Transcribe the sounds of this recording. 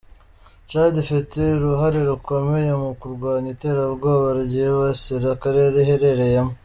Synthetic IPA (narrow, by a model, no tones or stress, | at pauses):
t͡ʃaːɟifiteɾuɦaɾiɾuko̞me̞jemukuɾɡwaːɲite̞ːɾaβɡoːβaɾɟiβasiɾakaɾeɾeɦeɾe̞ɾe̞jemo